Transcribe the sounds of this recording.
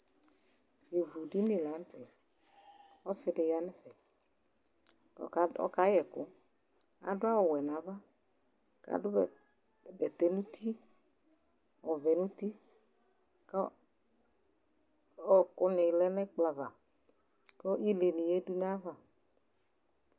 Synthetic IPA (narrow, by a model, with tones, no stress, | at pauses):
e˨vu˨di˦ni˨la˨˦n˦tɛ˨ | ɔ˦sɪ˧dɪ˨ja˦nɪ˦xɛ˨ | ɔ̰˨ka˨˦ɔ̰˦ka˨˦jɛ˨kʊ̰˦ | a̰˦dʊ˦a˦wɔ˨wɛ˨na˨˦va˦ | ka̰˨dʊ˦˨˦ | bɛ˨t̪e˦nũ˦t̪ʰi˦ | ɔ˨vɛ˨nũ˦t̪i˦ | kɔ˦ | ɔ˦kʊ˦nɪ˨lɛ˦nɛ˦k͡pla˨va˨ | kɔ˦i˦le˨ni˨je˦du˦na˦va˦˨